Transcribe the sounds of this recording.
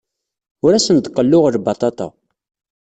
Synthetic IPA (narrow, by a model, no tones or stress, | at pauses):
ʊɾæsənd̪qːəlːʊʁəɾbɑt̪ˤɑt̪ɑ̰